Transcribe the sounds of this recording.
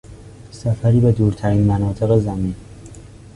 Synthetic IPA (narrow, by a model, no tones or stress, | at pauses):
sæfæɾiːbe̞d̪uːɾt̪ʰæɾiːnmænɒːt̪ʰe̞ɣezæmiːn